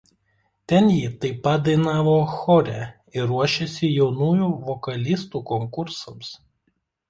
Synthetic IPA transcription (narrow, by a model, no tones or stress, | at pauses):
t̪ʲɛnjiːt̪ɐɪpɐt̪̚d̪ɐɪnɑːʋoːxɔɾʲɛ | ɪɾuɔʃʲesʲɪjɛʊnuːjuːʋɔkɐlʲɪst̪uːkɔŋkʊɾsɐms